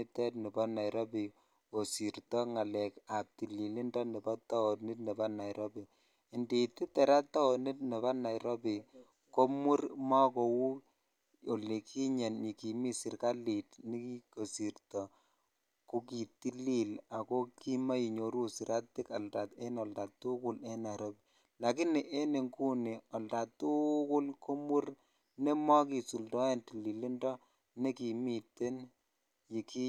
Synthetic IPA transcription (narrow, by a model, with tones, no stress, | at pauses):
i˦tɛ˦tni˨ba˦na˨jɾʔɔ˦bi˨ | ko˨si˨ɾtɔ˦ŋa˨lɛ˨ka˨p̚t̪i˨li˨li˦ndɔ˦ni˨ba˦t̪ɔ˦o˨ni˦t̚nɛ˨ba˦na˨jɾɔ˦bi˨ | i˨ndi˨ti˦tɛ˨ɾa˦t̪ːa˦o˨ni˦t̚ne˨βa˦na˨jɾɔ˦bi˨ | ko˦mu˦ɾma˦ko˨wu˦ | o˨le˨kʰi˦ɲɛ˨nɲi˨ki˨mi˦si˨rka˦li˨tni˦ki˦ko˨si˨rtɔ˨ | ko˦ki˨ti˦li˦˨la˨ko˦ki˦ma˦i˨ɲo˨ɾu˦si˨ɾʔa˦tɪ˦ka˨lta˨te˦nɔ˨lta˨tu˦kʊ˦lɛ˦na˨ɾo˦b | la˨ki˦ni˨ʔe˦ne˨ŋku˦ne˨ɔ˨lta˨tu˦kʊ˦lkʰo˦mu˦r | ne˦mɔ˦ki˨su˨ldɔ˦ɛ˦nti˨li˨li˦ndɔ˦ | ne˦ki˨mi˦˨te˦n | ji˨ki˦